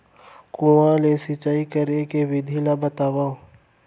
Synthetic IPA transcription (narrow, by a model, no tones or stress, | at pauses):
kũãlesɪt͡ʃaːikəɾekeʋɪd̪ʱilabət̪aːwaːõ